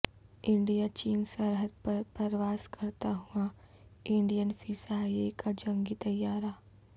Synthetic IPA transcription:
ɪ̃ɳɖijat͡ʃiːnsəɾɦəd̪̚pɐɾpɐɾʋaːskɐɾt̪aɦua | ɪ̃ɳɖijənfʰiːsaːjekad͡ʒɐ̃ŋɡit̪ɐjːaːɾa

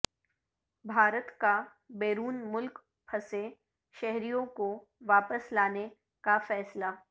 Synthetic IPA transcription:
bʱaːɾət̪ka | beːɾuːnmʊlk | pʰɐse | ʃɛɦɾijõko | ʋaːpəslaːne | kafɛːslaː

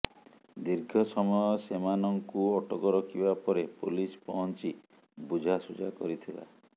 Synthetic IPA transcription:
d̪iɾɡʱɔsɔmɔjɔsemanɔŋkuɔʈɔkɔɾɔkʰibapɔɾepulispɔɦɔnt͡ʃi | bud͡ʒʱasud͡ʒa̰kɔ̰ɾit̪ʰila̰

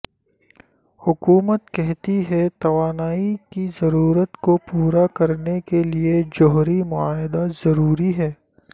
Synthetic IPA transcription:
hʊkuːmət̪kɛɦt̪iɦɛt̪ɐʋaːnaːikizɐɾuːɾət̪kopuːɾakɐɾnekelied͡ʒɔɦɾimʊaːɦɪd̪azɐɾuːɾiɦɛː

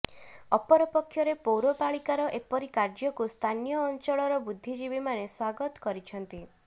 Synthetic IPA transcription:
ɔpɔɾɔpɔkʰːjɔɾepowɾopaɭikaɾɔʔepɔɾikaɾd͡ʒɔkust̪ʰanijɔːnt͡ʃɔɭɔɾɔbud̪ʱːid͡ʒibimaneswaɡɔt̪ɔ̥kɔɾit͡ʃʰɔnt̪i

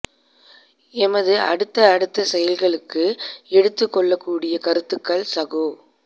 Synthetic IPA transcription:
ɛmɐðɯʔɐɽɯt̪ːɐːɽɯt̪ːɐsɛjɐlɣɐɭɯkːɯɛɽɯt̪ːɯkːɔɭːɐkːuːɽɪjɐkɐɾɯt̪ːɯkːɐɭsɐɣoː

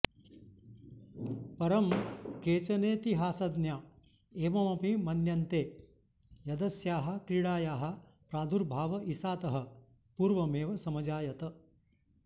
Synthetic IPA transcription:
pɐɾɐmkeːt͡ʃɐneːt̪iɦaːsɐd̪njaː | eːʋɐmɐpimɐnjɐnt̪eː | jɐd̪ɐsjaːɦɐ̆kɾiɽaːjaːɦɐ̆pɾaːd̪ʱuɾbʱaːʋɐʔisaːt̪ɐɦɐ̆ | puːɾʋɐmeːʋɐsɐmɐd͡ʒaːjɐt̪ɐ

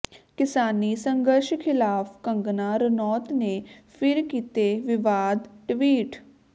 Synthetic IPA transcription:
kɪsaːniːsəŋɡəɾʃkʰɪlaːpʰkəŋɡnaːɾnɔːt̪neːpʰɪɾkiːt̪eːʋɪʋaːd̪ʈʋiːʈ

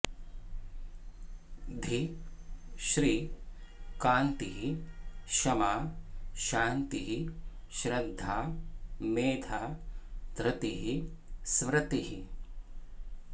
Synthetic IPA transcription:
d̪ʱi | ʃɾiː | kaːnt̪iɦiʃɐmaːʃaːnt̪iɦiʃɾɐd̪ʱːaːmeːd̪ʰaːd̪ɾɐt̪iɦismɾɐt̪iɦi

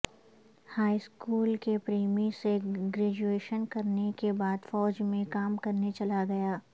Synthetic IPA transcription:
haːiskuːlkepɾeːmiseɡɾɛːd͡ʒueːʃənkɐɾnekebaːd̪fɔːd͡ʒmẽkaːmkɐɾnet͡ʃɐlaɡɐjaː

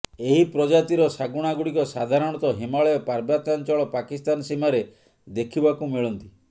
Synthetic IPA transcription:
eɦipɾɔd͡ʒat̪iɾɔsaɡuɽ̃aɡuɽikɔsad̪ʱaɾɔɽ̃ɔt̪ɔɦimaɭɔjɔpaɾbjat̪ant͡ʃɔɭɔpakist̪anɔsimaɾe | d̪ekʰibakumiɭɔnt̪i

